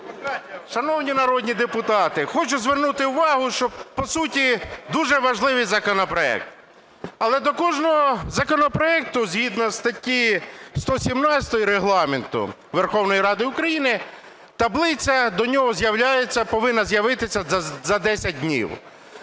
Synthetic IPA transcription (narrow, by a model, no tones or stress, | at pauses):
kɑnʲɐʃɐnɔwnʲinɐɾɔdʲnʲid̪epʊt̪ɑt̪ɪxɔt͡ʃʊzʋernut̪ɪʊʋɑɦʊʃt͡ʃɔbpɔsutʲid̪uʒɛʋɐʒlˠɪʋɪjzɐkɔnɔpɾɔɛ̰k̚t̪ | ɐlˠɛd̪ɔkɔʒnɔɦɔzɐkɔnɔpɾɔɛk̚t̪ʊzʲɦid̪nɔst̪ɐtʲːist̪ɔsʲimnɑt͡sʲɐ̥t̪ɔjiɾeɦlˠɑment̪ʊ̰ | ʋerxɔwnɔjiɾɑd̪ɪʊkɾɐjinɪ | t̪ɐblˠɪt͡sʲɐd̪ɔnʲɔɦɔzʲjɐwlʲajet͡sʲːɐpɔʋɪnːɐzjɐʋɪt̪ɪsʲɐzɐd̪ɛsʲɐt̚ʲd̪ʲnʲḭw